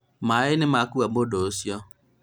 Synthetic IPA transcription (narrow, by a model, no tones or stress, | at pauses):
maɪnɪmakuabodosjɔ